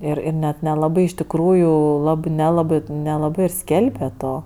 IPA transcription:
ˈɪr ɪr nʲɛt nʲɛˈlˠɑːbɐɪ ɪʃ tʲɪkˈruːjʊ ˈlˠɑːbɜ nʲɛˈlˠɑːbɜ nʲɛlˠɐˈbɜ ɪr ˈsʲkʲɛlʲbʲɛ ˈtoː

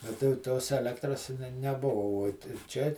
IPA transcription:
ɐ tɐɪ jɛʊ ˈtoːs ɛˈlʲæːktrɐs nʲɛ nʲɛˈbʊʋɐ uɔt ɪr ˈt͡ʃʲɛ

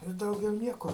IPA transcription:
ɪ ˈdɐʊɡʲɛʊ ˈnʲiɛkoː

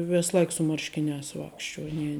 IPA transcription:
ˈʋʲeːs ˈlˠɐɪk sʊ ˈmɐrʲʃʲkʲɪˌnʲæːs ˈʋɑːkʃʲˌt͡ʃʲuɔ ˈnʲiɛ

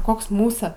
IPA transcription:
ˈkoːks ˈmuːsɐ

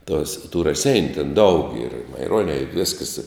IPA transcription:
tuɔs tʊ rɐˈsʲɛɪnʲʊ tʲɛn dɐʊk iːr ɪ mɐɪˈruɔnʲɛ ɪ ˈʋʲɪskɐs

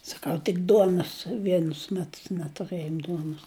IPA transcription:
sɐˈkɐʊ tʲɪk ˈduɔnoːs ˈʋʲiɛnʊs ˈmʲæːtʊs nʲɛtʊˈrɘjoːm ˈduɔnʊs

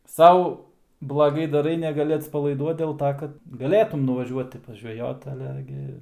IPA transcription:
ˈsɐʊ blˠɐˈɡɐɪ dɐˈrɐɪ nʲɛɡɐˈlʲɪ ɐtspɐlˠɐɪˈduɔt dʲeːlˠ ˈtoː kɐt ɡɐˈlʲeːtʊm nʊʋɐˈʒʲuɔtʲɪ pɐʒʲʋʲɛˈjoːt ɐˈlʲɛ ɡʲɪ

